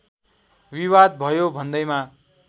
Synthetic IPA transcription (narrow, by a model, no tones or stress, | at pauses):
wiwad̪̚bʱʌjobʱʌnd̪ʌjma